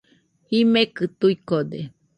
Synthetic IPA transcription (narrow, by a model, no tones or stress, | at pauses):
imekɨt̪uikod̪e